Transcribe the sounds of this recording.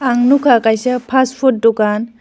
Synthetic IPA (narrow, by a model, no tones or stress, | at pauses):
aŋnukʰakajsapʰaspʰɔt̚dɔkan